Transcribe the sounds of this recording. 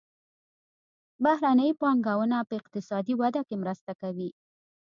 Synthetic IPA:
bahɾanəjpɑŋɡawənapəɪqt̪ɪsɑd̪iwad̪akemɾəst̪akawi

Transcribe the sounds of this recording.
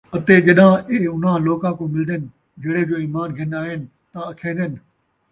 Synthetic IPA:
ɐt̪ed͡ʑɐɗãʔeʊn̤ãloːkãkõːmɪld̪ənɪ̆ | d͡ʒɐːɽed͡ʑoːiːmaːnɡʱɪnaːɦɪnɪ̆ | t̪aɐkʰẽːnd̪ənɪ̆

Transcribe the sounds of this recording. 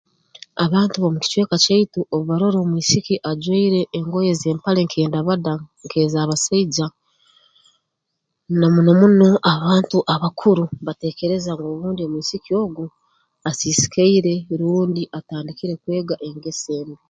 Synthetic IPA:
aβaːntuβomuci̥t͡ʃwe̞ːkat͡ʃaituʔoβuβaɾo̞ɾo̞ːmwiːsikiʔaɟweiɾe̞ʔːŋɡo̞je̞ze̞ːmpaleŋkʰe̞ːndaβadaŋkʰe̞ːzaːβasaiɟa | namunomuno̞ʔaβaːntuʔaβakʰuɾuβate̞ːke̞ɾe̞zaŋɡoːβuːndio̞mwiːsikio̞ːɡu | asiːsi̥kʰaiɾe̞ɾuːndiʔataːndikiɾe̞kwe̞ːɡaʔe̞ŋɡe̞se̞ːne

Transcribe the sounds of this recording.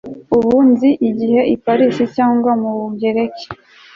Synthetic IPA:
uβunziʔiɟihe̞ʔipaɾisicaːŋɡwamuβubɟe̞ɾe̞ke̥

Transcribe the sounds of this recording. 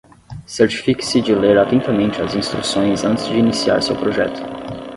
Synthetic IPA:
seɾt͡ʃi̥fikɪ̥sɪd͡ʒɪleɾat̪ẽnt̪ɐmẽnt͡ʃɪɐzĩst̪ɾusõj̃zɐ̃nt̪ɪzd͡ʒɪinisia̰ɾsḛwpɾoʒɛ̰t̪ʊ̥

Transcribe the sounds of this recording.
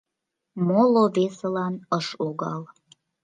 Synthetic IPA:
moloβeselɑnəʃuɣɑl

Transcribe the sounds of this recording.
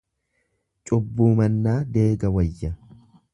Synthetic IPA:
t͡ʃʼʊbːuːmɐnːaːd̪e̞ːɡɐwɐjːɐ

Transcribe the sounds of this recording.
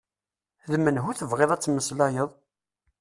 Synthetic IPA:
ðmənɦuθəvʁeðˤæt͡sːmːəslajəðˤ

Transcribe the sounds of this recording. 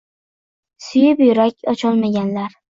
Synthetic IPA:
sʊjɪpjʊɾakʲʰɒt͡ʃʰɒlˠmaɡʲanlaɾ

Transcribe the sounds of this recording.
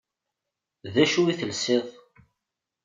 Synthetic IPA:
ðæʃuiθəlsɪðˤ

